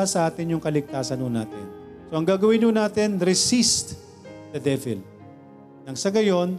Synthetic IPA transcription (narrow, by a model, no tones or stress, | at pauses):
asɐʔaːt̪ɪnjʊŋkɐlɪɡ̚t̪aːsɐnhʊna̰ːt̪ɪ̰n | soʔɐŋɡaːɡɐwɪnhʊnaːt̪ɪnɾɛsist̪ | d̪ɐd̪ɛvɪl | nɐɡsɐɡɐjo̞n